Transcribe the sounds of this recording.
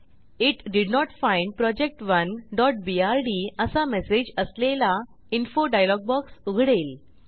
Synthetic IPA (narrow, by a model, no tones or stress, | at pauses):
iʈɖiɖnɔʈfãjɳɖ̚pɾɔd͡ʑek̚ʈʋənɖɔʈ̚biaɾɖiəsamɛsed͡ʑəslela | infoɖajlɔɡ̚bɔksuɡʱɽeːl